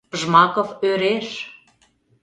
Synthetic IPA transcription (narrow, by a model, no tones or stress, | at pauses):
ʒmɑkoføɾeʃ